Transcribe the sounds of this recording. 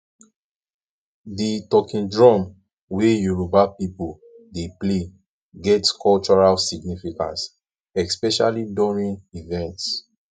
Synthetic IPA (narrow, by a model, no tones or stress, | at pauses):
ditɔkĩndɹɔ̃m | wejuɹubapipul | deple | ɡɛtkʰɔlt͡ʃɔɹalsiɡnifikã̰ns | ɛspɛʃalidɔɹĩnivɛ̃nts